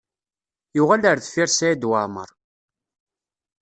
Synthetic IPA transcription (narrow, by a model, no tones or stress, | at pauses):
jʊʁæləɾθfiɾsæjæd̪waʕmə̰ɾˤ